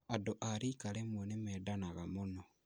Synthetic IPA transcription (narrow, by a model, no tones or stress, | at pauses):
adoʔaɾikaɾemwɛnemɛːdanaɣamonɔ